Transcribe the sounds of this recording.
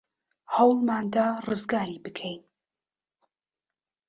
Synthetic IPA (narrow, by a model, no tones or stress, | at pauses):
hɐwlˠmaːnd̪aːrɨzɡaːɾibɨkʰejn